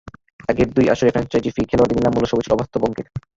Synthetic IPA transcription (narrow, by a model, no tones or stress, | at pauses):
ɛɡeɾd̪uja̰ʃoɾifʰɾɛnt͡ɕajd͡ʑifikʰeload̪inilːamuloʃobut͡ɕʰiɔbast̪ʰoboŋkeɾ